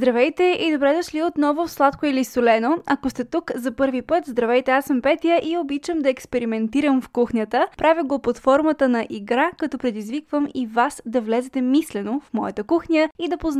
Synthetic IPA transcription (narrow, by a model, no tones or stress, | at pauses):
zd̪ɾɐvɛjt̪ɛʔid̪obɾɛd̪ɐʃliot̪nɔvʊfslˠat̪koilisolɛnoɐkost̪ɛt̪ukzɐpɤɾvipɤt̪zd̪ɾɐvɛjt̪ɛasəmpɛt̪ijəʔiobit͡ʃəmd̪ɐɛkspɛɾimɛnt̪iɾəmfkuxnʲət̪əpɾavʲəɡopot̪fɔɾmət̪ənɐʔiɡɾakɐt̪ɔpɾɛd̪izvikvəmivasd̪ɐvlɛzɛt̪ɛmislɛnofmɔjə̰t̪əkuxnʲəid̪ɐpoz